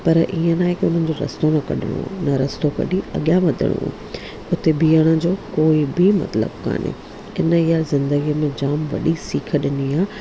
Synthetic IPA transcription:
pɐɾʔiːə̃naːɪkʊn̤ənɪ̆d͡ʑoɾɐ̰st̪onɐkɐ̰ɗʱɪ̰ɽ̃o̰nɐɾɐst̪okɐ̰ɗiɐ̰ɠjãʋɐd̪ʱɪ̰ɽ̃õ̰ | ʊt̪ebiːəɽ̃ə̆d͡ʑoːkoːɪbɪmɐ̰t̪lə̰bka̰ːnḛ | ɪnəɪjazɪ̃nd̪əɡijəmẽd͡ʑaːmʋɐ̰ɗisiːkʰəɗɪniaː

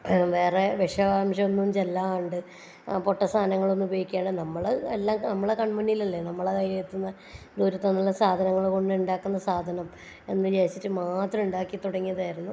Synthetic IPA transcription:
ʋe̞ːreʋeʂɐaːmʂɐonːund͡ʑelːaːmːɳɖɨ | poʈːɐsʰaːnɐŋːɐɭonːubɐjikʲːaːɳɖɨnɐmːɐɭelːaːnɐmːɐɭekɐɳmunːijilɐlːenɐmːɐɭekɐjɐjet̪ːunːɐ | d̪uːɾut̪ːɐnːɐlːɐsaːd̪ʱɐnɐŋːɐɭkoɳɖɨuɳɖaːkːunːɐsaːd̪ʱɐnɐm | e̞nːɨd͡ʑejɐt͡ɕːitːɨmaːt̪rɐuɳɖaːkːit̪uɽɐŋːijɐðaːjiɾunːu

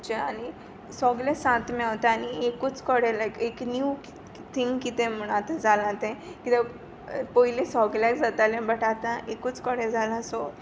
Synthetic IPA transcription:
t͡ɕeañi | sɔɡlẽsãt̪maɦot̪aañiekut͡skɔɽelakeknju | t̪ʰiŋkit̪ẽm̤əɽ̃at̪ad͡zalãt̪ẽkit̪e | pɔilẽsɔɡlakd͡zat̪alẽbəʈat̪ãʔekut͡skɔɽed͡zʱalaso

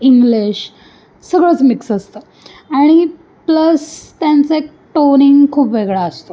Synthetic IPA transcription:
iŋɡliɕ | səɡɭət͡smiksəst̪ə | aɽ̃i | pləst̪jãnt͡saek̚ | ʈoniŋɡkʰuːpʋeɡɭaəst̪o

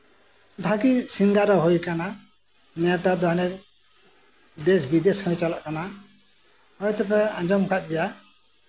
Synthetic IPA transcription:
bʱaɡisiŋɡaɾɔɦojkana | nɛt̪ad̪ɔɦanɛ | d̪esbid̪eshɔ̃jt͡ʃalaʔkana | hɔjt̪ɔpɛãd͡ʒɔmkat̪̚ˀd͡ʒɛja

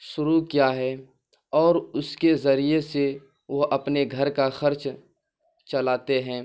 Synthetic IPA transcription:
ʃʊɾukjaːɦɛː | ɔːɾʊskezɐɾiese | ʋoɦʔɐpneɡʱɐɾkaxɐɾt͡ʃ | t͡ʃɐlaːt̪eɦɛ̃ː

